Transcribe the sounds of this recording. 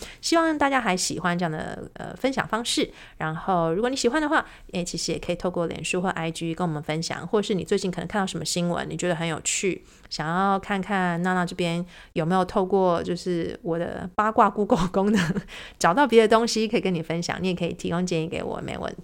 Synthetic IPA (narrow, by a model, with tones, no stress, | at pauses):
ɕi˥wɑ˥˧ŋt̪a˥˩t͡ɕja˥xa˧˥ɪɕi˨˩xwa˦nʈ͡ʂɤ˧jɑ˥˩ŋd̪ə̰˨˩ə̰˧fə˥nɕjɑ̰˨˩ŋfɑ˥ŋʂɻ̩˥˩ | ɻa˧˥nxo˥˩ʊɻu˧˥kɔ˨˩˦ni˧˥ɕi˨˩xwa˦nd̪ə˨xwa˥˩ | e˥˩ɪt͡ɕʰi˧˥ʂɻ̩˧˥jɛ˨kʰə˧˥i˨t̪ʰkwɔ˥˩ljɛ̰˨˩nʂu˥˧xə˥˩ʔa˥ɪt͡ɕy˥˧kə˥ŋwɔ˨˩mə˦nfə˦nɕjɑ̰˨˩˦ŋxwɔ˥˩ʈ͡ʂə˨˩ʂɻ̩˥˩ni˨˩t͡swɪt͡ɕi˥˩k̪ʰə˧˦ŋʰk̪ʰɑ˥˩ʂmə˧˩ɕi˥ŋwə̰˧˦nni˨˩t͡ɕɥɛ˧˥d̪ə˧xə˧˦njo˨˩ʊt͡ɕʰy˥˩ | ɕjɑ˨˩ŋjɑ˥˧ʊkʰa˥˧nkʰa˥˧nna˥˧na˥˧ʈ͡ʂɤ˥˩pjɛ˥njo˨˩me˧˥ɪjo˨˩ʊt̪ʰo˥˧ʊkwɔ˥˩t͡ɕjo˥˧ʊʂɻ̩˥˩wɔ˨˩d̪ə̰˦pa˥kwa˥˧˩ku˥ko˥˩ʊkʊ˥ŋd̪ə˨˩ʈ͡ʂɑ˨˩ʊt̪ɑ˥˩ʊpjɛ˧˥d̪ə˧t̪ʊ˥ŋɕi˥kʰə˧˥i˨˩kə˥ni˨˩fə˦nɕjɑ̰˨˩ŋni˧˥jɛ˨˩kʰə˧˥ḭ˨˩t̪ʰi˧˥kʊ˥ŋt͡ɕjɛ˥˧ni˥˩kḛ˧˥ɪwɔ̰˨˩mḛ˧˥ɪwə̰˧˩n˨